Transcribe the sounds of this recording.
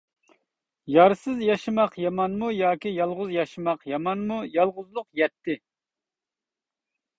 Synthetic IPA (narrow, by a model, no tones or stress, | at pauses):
jɑɾsɨzjɑʃɨmɑqjɑmɑnmujɑːkʲijɑlˠʁʊzjɑʃɨmɑqjɑmɑnmujɑlˠʁʊzlˠʊqjɛt̪ʰːɪ